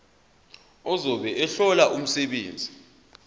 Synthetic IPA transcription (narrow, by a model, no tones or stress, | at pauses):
ɔzɔɓɛʔɛɬɔlaʔum̩sɛɓeːnd͡zʱi